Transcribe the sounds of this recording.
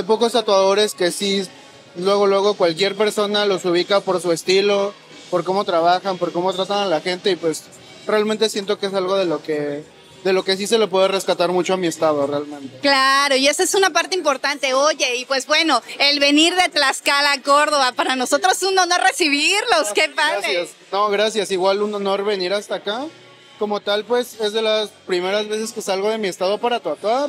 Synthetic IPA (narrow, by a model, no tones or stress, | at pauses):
d̪ep̬o̞ko̞st̪at̪waðo̞ɾe̞ske̞si | lwe̞ɣo̞lweɣ̞o̞kwalk̬je̞ɾpe̞ɾso̞nalo̞suβ̞ikapo̞ɾsue̞st̪ilo̞ | po̞ɾko̞mo̞t̪ɾaβaxampo̞ɾko̞mo̞t̪ɾat̪analaxe̞nt̪e̞ipwe̞s | realment̪e̞sje̞nt̪o̞kees̬alɣo̞ðe̞loke | ðe̞lo̞ke̞s̬ise̞lo̞p̬we̞ðere̞skat̪aɾmut͡ʃo̞amie̞st̪að̞o̞realmẽ̞nt̪e̞klaɾo̞ie̞soesunapaɾt̪eimpo̞ɾt̪ant̪e̞oʝe̞ipwe̞zbwe̞no̞elβe̞niɾðe̞t̪laskalako̞ɾðo̞βapaɾano̞so̞t̪ɾosesuno̞no̞ɾre̞siβ̞iɾlo̞skepales | no̞ɣɾasjasiɣwaluno̞no̞ɾβe̞niɾast̪aka | ko̞mo̞t̪alpwe̞se̞zðe̞laspɾime̞ɾazβe̞se̞ske̞salɣo̞ð̞e̞mie̞st̪að̞o̞paɾat̪wat̪waɾ